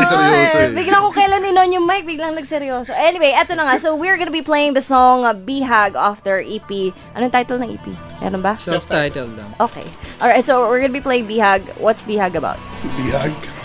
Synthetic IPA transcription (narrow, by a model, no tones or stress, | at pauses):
sbiɡlaɐkokɐlanɪnonjʊŋmajk̚biɡlɐŋnɐɡsɛɾjoːsoʔɛnɪwejʔɛt̪onɐŋasowiəɹɡɐnɐbiplejɪ̃ŋd̪ɐsɔŋbiɦaɡafd̪ɛɹʔiːpiʔɐnont̪ajt̪ɛlnɐŋʔḭːpḭ | mɛ̰ɾonbɐsɛft̪ajt̪ɛldɐ̰ʔoːkḛjʔɔɹajt̪̚sowɪɹɡɐnbiplejɪŋbiːhaɡ̚wɐt̪sbiːhaɡɐba̰ʊt̪̚bihaɡ